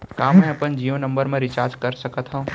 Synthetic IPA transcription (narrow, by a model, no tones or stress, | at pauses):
kaːmːɛ̃ɐpənd͡ʒiːʋõnɐ̃mbəɾmẽɾɪt͡ʃaːɾd͡ʒkɐɾsɐkət̪ɦõː